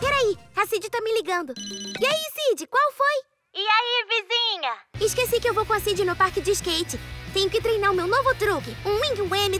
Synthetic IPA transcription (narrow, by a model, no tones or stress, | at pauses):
pɛɾaiasid͡ʒɪt̪amɪliɡɐ̃nd̪ʊɪaisid͡ʒɪkwawfoj | ɪaivizĩɲɐɪskesikɪewvowkõasid͡ʒɪnʊpaɾkɪd͡ʒɪɪʃkejt͡ʃɪt̪ẽɲ̃ʊkɪt̪ɾejnaɾʊmewnovʊt̪ɾukɪũĩɡũẽmɪ